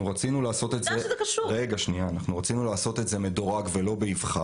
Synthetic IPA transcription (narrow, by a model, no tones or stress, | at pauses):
uʁat͡sinulaːso̞t̪etzekaʃuʁeɡaʃniaːnaχnuʁat͡sinulaːso̞t̪e̞tze̞me̞do̞ʁaɡve̞lo̞beivχa